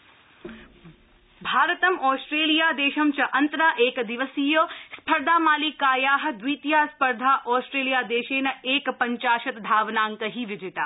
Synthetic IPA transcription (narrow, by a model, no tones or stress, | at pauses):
bʱaːɾət̪ɐmɔːsʈɾeːlijaːd̪eːʃɐmt͡ʃɐʔɐnt̪ɾaːʔeːkd̪ɪʋəsiːjoːspʰɐɾd̪ʱaːmaːliːkaːjaːɦɐ̆d̪wʋiːt̪jaːspɐɾd̪ʱaːʔɔːsʈɾeːlijaːd̪eːʃeːnɐeːkpɐɲt͡ʃaːʃɐt̪d̪ʱaːʋnaːŋkəɦiːʋɪd͡ʒɪt̪aː